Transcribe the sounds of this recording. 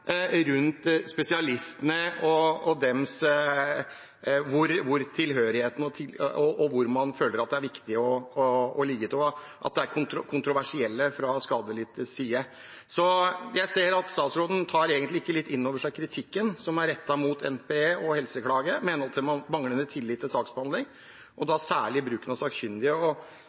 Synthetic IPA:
ɾʉnt̪spɛsɪɑlɪst̪ənəɔɔd̪ɛms | ʋʊɾʋʊɾt̪ʰɪlɦøːɾɪheːt̪n̩ɔt̪ʰɪɔʔɔʋʊɾmɑnføːləɾɑt̪d̪ɛæɾʋɪkt̪ɪɔɔːlɪɡːət̪ʰɪlɔ | ʔɑ̰t̪̚d̪ɛæɾkʰʊnt̪ɾʊkʰʊnt̪ɾʊʋæʂɪɛlːəfɾɑskɑːd̪əlɪːt̪əsiːə | sɔjæɪseːɾɑt̪st̪ɑːt̪sɾoːd̪n̩t̪ʰɑːɾeːɡənt̪lɪɪkːəlɪt̪ːɪnːoːʋəʂæɪkʰɾɪt̪ʰɪkːənsɔmæɾɛt̪ːɑmuːt̪ʰɛ̰npeeːʔɔhɛlsəkʰlɑːɡəmɛːnət̪ʰɪlmɑnmɑŋlənət̪ʰɪlːɪːt̪ʰːɪlsɑːksbəhɑnd̪lɪŋ | ʔɔd̪ɑsæːɭɪbɾʉːkənɑsɑːkçʏnd̪ɪəɔ

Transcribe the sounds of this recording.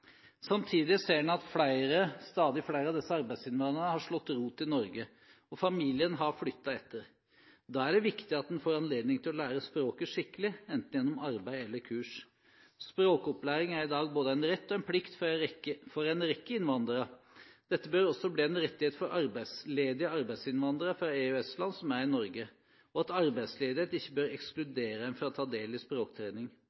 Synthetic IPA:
sɑmt̪ʰiːd̪ɪseːɖɛnɑt̪flæɪɾəst̪ɑːd̪ɪflæɪɾəɑʋd̪ɛsːəɑɾbæɪd̪sɪnʋɑnəɾnəhɑʂɭɔt̪ːɾuːt̪ːɪnɔɾɡə | ɔfɑmiːlɪənɦɑɾflʏt̪ːɑɛt̪ːəɾ | d̪ɑːæɖɛʋɪkt̪ɪɑt̪̚d̪ɛnfoːɾɑnleːd̪nɪŋt̪ʰɪlɔlæːɾəspɾoːkəʂɪkːəlɪɛnt̪n̩jɛnːɔmɑɾbæɪɛlːəɾkʰʉːʂ | spɾoːkɔplæːɾɪŋæɾɪd̪ɑːɡboːd̪əæɪnɾɛt̪ːɔɛnpʰlɪkt̪fɾfɔɾæɪnɾɛkːəɪnʋɑnd̪əɾəd̪̥ɛt̪ːəbøɾɔsːɔbliːɛnɾɛt̪ːɪheːt̪fɔɾʔɑɾbæɪsleːd̪ɪəɑɾbæɪd̪sɪnʋɑnd̪ɾəfɾɑeʉɛslɑnsɔmæɾɪnɔɾɡə | ɔɑt̪ɑɾbæɪsleːd̪ɪheːt̪ɪçːəbøːɾɛksklʉd̪eːɾəd̪ɛnfɾɑt̪ʰːɑːd̪eːlɪspɾoːkt̪ʰɾeːnɪŋ

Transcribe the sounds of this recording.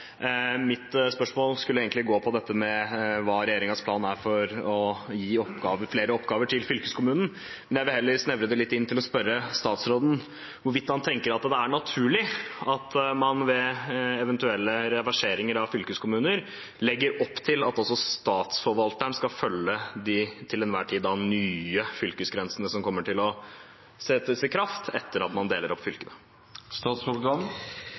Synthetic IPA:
mɪt̪spœʂmoːlskʉlːəeːɡənɪɡoːpʰɔd̪ɛt̪ːəmɛʋɑːɾɛjeːɾɪŋɑspʰlɑːnæɾfɔɾɔjiːɔpɡɑːʋəɾfleːɾəɔpːɡɑːʋəʈʰɪlfʏlkəskʊmʉːnn̩ | mmɛnjæɪʋɪlhɛlːəɾsnɛʋɾəd̪ɛlɪt̪ːɪnt̪ʰɪlɔspœɾəst̪ɑːt̪sɾoːd̪n̩ | ʋʊɾʋɪt̪ːhɑnt̪ʰɛŋkəɾɑt̪d̪ɛæɳɑt̪ʰʉːɭɪɑt̪mɑnʋɛɛʋɛnt̪ʉɛlːəɾɛʋɑʂeːɾɪŋəɾɑʋfʏlkəskʰʊmʉːnəɾ | lɛɡːəɾɔpːt̪ʰɪlɑt̪ɔlsɔst̪ɑːt̪sfɔɾʋɑlt̪əɳskɑfœlːəd̪ɪt̪ʰɪlɛnʋæːʈʰiːd̪d̪ɑnyːəfʏlkəsɡɾɛnsənəsɔmkʰɔmːəʈʰɪlɔ | sɛəsɛkʰɾɑft̪ʰɛt̪ːəɾɑt̪mɑnd̪eːləɾɔpːfʏlkənə | st̪ɑːt̪sɔlɡɑn

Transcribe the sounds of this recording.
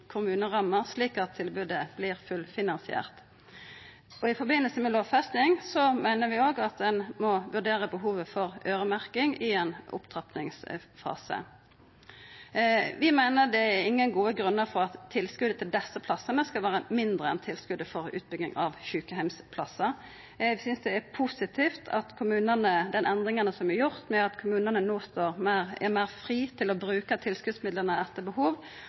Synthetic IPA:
kʰʊmʉːnəʁɑmːəʁsliːkɑt̪ʰːɪlbʉd̪əb̥lɪʁfʉlfɪnɑnsɪæ̰ːʁt̪ | ɔɪfɔɾbɪnːəlsəmɛloːʋfɛst̪ɪŋsɔmæɪnəʁʋɪoːɡɑt̪̚d̪ɛnmɔʋʉɖeːʁəbəɦuːʋəfɔʁøːʁəmæʁkɪŋɪenʔʊ̰pt̪ʰʁɑpnɪŋsfɑ̰ːsə̰ | ʋɪmæɪnəd̪ɛæɾɪŋːənɡuːəɡʁʉnːəʁfɔʁɑt̪ʰːɪlskʉd̪ət̪ʰɪld̪ɛsːəpʰlɑsːənəskɑlʋæːɾəmɪnd̪ʁəɛ̰nt̪ʰɪlskʉd̪əfɔɾʉ̰ːt̪̚bʏɡɪ̰ŋʔɑʋɕʉːkəhæɪmspʰlɑsə | ɛsʏnsd̪ɛæpʰusɪt̪ʰiːft̪ʰɑ̰t̪kʰʊmʉːnənəd̪ɛnʔɛnd̪ʁɪŋənəsɔmʋɪjʊʁt̪mɛɑt̪kʰʊmʉːnənənoːst̪oːʁmæʁɛmæɪʁfʁiːt̪ʰɪlɔbɾʉːkət̪ʰɪlskʉd̪smɪd̪ləʁnəɛt̪ːəbəhuːʋ

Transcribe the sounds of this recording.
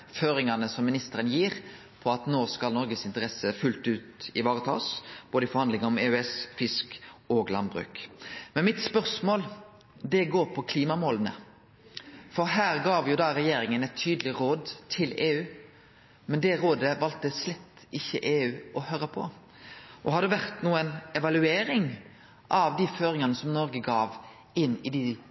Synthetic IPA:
føːɾɪŋɑnəsɔmːɪnɪst̪əɾənjiːʁ | pʰɔɑt̪noːskɑlnɔɾɡəsɪnt̪əʁɛsəfʉlt̪ʉːt̪ɪʋɑːʁət̪ʰɑ̰ːsb̥oːd̪ɪfɔɾhɑnd̪lɪŋɔmeːʉɛsfɪskoːɡlɑnbʁʉ̰ːkmɛnmɪt̪spœʁsmoːl | d̪ɛɡoːɾpʰɔkʰliːmɑmoːlənə̰ | fɔɾɦæːɾɡɑːʋjʊd̪ɑɾɛjeːɾɪŋənɛt̪ʰːyːd̪əlɪɾoːd̪t̪ʰɪleːʉː | mɛnd̪ɛʁoːd̪əʋɑlt̪əslɛt̪ːɪçːəʔeːʉːʔɔhøːɾəpʰɔ̰ | ʔɔhɑd̪ɛʋæʁt̪nuːənɛʋɑlʉeːɾɪŋ | ʔɑʋd̪iføːɾɪŋɑnəsɔmnɔɾɡəɡɑːʋ | ɪnːɪd̪ɪ

